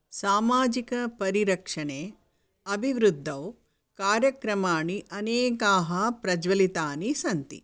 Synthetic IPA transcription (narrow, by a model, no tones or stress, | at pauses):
saːmaːd͡ʒikɐpɐɾiɾɐkʂɐɳe | ɐbʱiʋɾud̪ʱːɐw | kaːɾjɐkɾɐmaːɳiʔɐneːkaːɦɐpɾɐd͡ʒʋɐlit̪aːnisɐnt̪ḭ